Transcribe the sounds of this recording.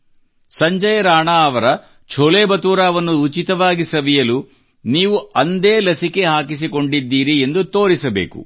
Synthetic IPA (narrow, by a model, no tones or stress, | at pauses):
sɐɲd͡ʒɐjɐɾaːɳaɐʋɐɾɐ | t͡ʃʰoleːbɐt̪uːɾaːʋɐnːuːt͡ʃit̪ɐʋaːɡisɐʋijɐlu | niːʋuʔɐnd̪eːlɐsike̞ɦaːkis̬iko̞ɳɖid̪ːiːɾie̞nd̪ut̪o̞ːɾisɐbḛːkṵ